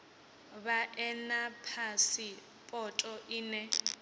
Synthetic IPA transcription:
βaʔɛnapʰasi | pʼɔtʼɔʔiːnɛ

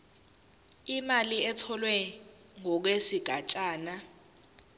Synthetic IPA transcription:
imaliɛtʰɔlwɛ | ŋɔk̬wesiɡ̥ʱat͡ʃʼaːna

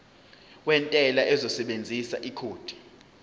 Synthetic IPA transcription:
wɛntʼɛlaʔɛzɔsɛɓend͡zʱisa̰ʔikʰoːd̥ʱi̥

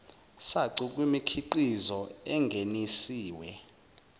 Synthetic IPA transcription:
saǀik̬ʼwimikʰiǃizɔɛŋɡʱenisiːwɛ

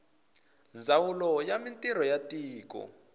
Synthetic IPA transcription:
nd͡zawulɔjamintʼiɾɔjatiːkɔ̰

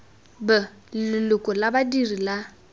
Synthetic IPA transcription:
bɛ | lɪlʊkʼɔlabadirila

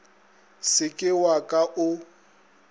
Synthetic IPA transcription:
sɪkʼɪwakʼaʔʊ

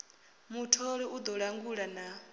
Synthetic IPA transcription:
mutʰɔɺiud̪ɔɺaŋɡuɺana

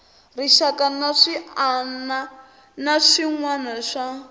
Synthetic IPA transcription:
riʃakanaʂiana | naʂiŋwanaʂa

